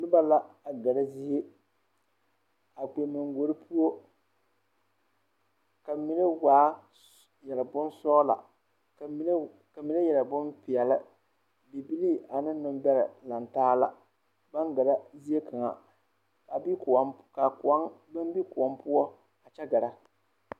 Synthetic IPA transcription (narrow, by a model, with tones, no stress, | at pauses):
lʊ˦ba˦la˦a˨ɡa˨ɾa˦zi˦je˦ | a˨k͡pe˨mɪ˨ŋɡo˨ɾɨ˦pʰu˦o˦ | ka˨mi˨ne˦waː˨˦ | jɛ˨lɨ˨bʊ˦nsɔː˦la̰˨ | k | ka˨mi˨ne˦jɛ˨lɨ˨bʊ˦npɪ˨ɛ˨lɨ˦ | bi˨bi˦li˦˨a˨nɨ˦nʊ˦mbɛ˦ɾɪ˨la˨ntaː˦la̰˨ | ba˦ŋɡa˨ɾa˦zi˦e˦ka˨ŋa̰˨ | a˨bi˦kka˨˦bɨ˦mbi˦kʊ˨ɔ˨mpʊ˦ɔ˦ | a˨t͡ʃɛ˦ɡa˨ɾa˦